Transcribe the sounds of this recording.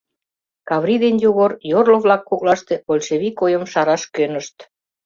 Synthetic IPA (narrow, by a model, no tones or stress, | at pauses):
kɑβɾid̪enjuɣorjorloβlɑkːuk̚lɑʃt̪eβolʲʃeβikojə̆mʃɑɾɑʃkønə̆ʃt̪